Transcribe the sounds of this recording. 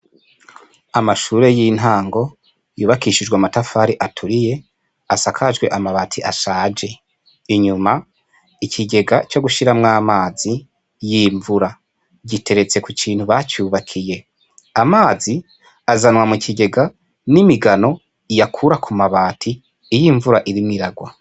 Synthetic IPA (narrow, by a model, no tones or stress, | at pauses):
amaʃuːɾe̞jin̥ɦaːŋɡo̞ | juːβakiʃid͡ʒɡwamatafaːɾiʔatʰuɾije̞ | asakʰaʒɡwe̞ʔamaβaːtʰiʔaʃaːd͡ʒe̞ | iɲuma | ikʰiɟe̞ɡat͡ʃo̞ɡuʃiɾamŋaːmaːzi | jiːɱvuɾa | ɟitʰe̞ɾe̞t͡se̞kukʰiːn̥huβat͡ʃuːβakʰije̞ | amaːzi | azanwamucʰiɟe̞ɡa | nimiɡano̞ | ijakʰuɾakʰumaβaːtʰiː | jiːɱvuɾaʔiɾimŋiɾaɡwa